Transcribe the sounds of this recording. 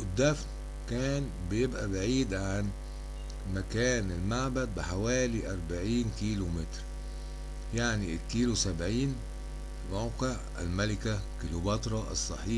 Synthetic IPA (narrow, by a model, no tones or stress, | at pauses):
ʔɪd̪ːæfn | kæːn | bɪjebʔæbaʕiːd̪ʕan | mækæːnɪlmaʕbæd̪̚bɪħawæːliʔɑɾˤbaʕiːnkiːlumet̪ɾ | jaʕnikːiːlusæbʕiːn | mawqeʕ | æ̰lmælɪkækilobɑt̪ɾˤɑʔɑ̰sˤːɑħiː